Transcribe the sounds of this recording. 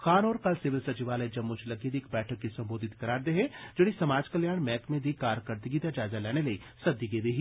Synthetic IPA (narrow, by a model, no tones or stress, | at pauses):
xaːnoːɾkɐlsɪʋɪlsɐt͡ʃiʋaːled͡ʒɐmːut͡ʃʰlɐɡiːd̪ɪkbɛːʈʰəkːisɐ̃mboːd̪ʱɪt̪kɐɾaːɾd̪eɦẽd͡ʒɐɽ̃isɐmaːd͡ʒkɐljaːɽ̃mɛːkmẽd̪ʱikaːɾkəɾt̪iɡit̪ad͡ʒaːzalɛːɽ̃elɐi | sɐb̚d̪iɡeːʋeɦi